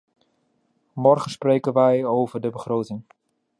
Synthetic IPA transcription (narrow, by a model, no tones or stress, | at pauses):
mɔɹχənsprejkənʋɛjowvəɹdəbəχrowtɪŋ